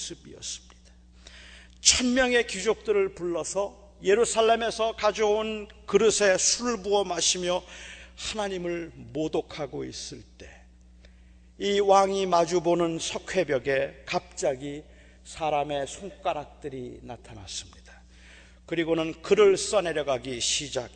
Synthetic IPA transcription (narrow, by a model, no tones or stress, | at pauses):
s͈ɯbiʌ̰s͈ɯ̥mɲid̥ḁ | t͡ɕʰʌnmjʌŋe̞kid͡ʑok̚t͈ɯɾɯɭpuɭːʌsʰʌ | je̞ɾusʰaɭːe̞me̞sʰʌkad͡ʑounkɯɾɯsʰe̞sʰuɭbuʌmaɕʰimjʌhanaɲimɯɭmodokʰaɡoḭs͈ɯɭt͈e̞ | iwaŋimad͡ʑubonɯnsʰʌkʰwe̞bjʌɡe̞kap̚t͡ɕ͈aɡi | sʰaɾame̞sʰoŋk͈aɾak̚t͈ɯɾinatʰana̰s͈ɯmɲid̥ḁ | kɯɾiɡonɯnkɯɾɯɭs͈ʌne̞ɾjʌɡaɡiɕʰid͡ʑak̚